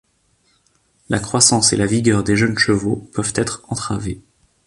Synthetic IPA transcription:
lakχwasɑ̃selaviɡʲœʁd̪eʒənʃəvopœvt̪ɛt̪χɑ̃t̪χave

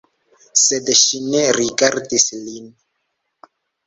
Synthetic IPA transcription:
sedʃine̞ɾiɡaɾdislin

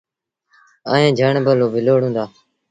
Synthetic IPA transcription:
a̰ːɦẽːd͡ʒʱəɳbəloːbɪloːɽ̤ũːnd̪aː

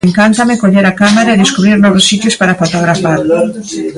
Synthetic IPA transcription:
ŋkant̪amɪkoʎeɾakamaɾaeðeskuβɾiɾnɔβʊsːit̪jʊspaɾafot̪oɣɾafaɾ

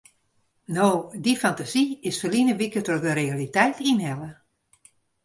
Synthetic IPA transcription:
noːdifantaziɪsfəlinəʋikətodəɾealitɛjtʰinɦɛlə

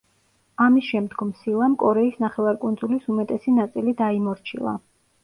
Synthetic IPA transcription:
amisʃɛmd̪ɡɔmsilˠamkʼɔɾɛisnaχɛvaɾkʼund̪zulisumɛt̪ʼɛsinat̪sʼilid̪aimɔɾt͡ʃʰḭlˠa̰

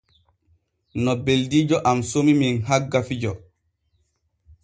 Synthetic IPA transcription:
nɔbeldiːd͡ʒɔʔamsomiminɦaɡːafid͡ʒɔ

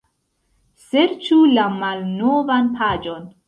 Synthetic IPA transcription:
seɾt͡ʃulamalnovanpʰad͡ʒo̞n

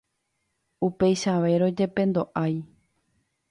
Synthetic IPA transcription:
upe̞jʃaʋe̞ɾo̞d͡ʒe̞pẽ̞nd̪o̞ʔaj

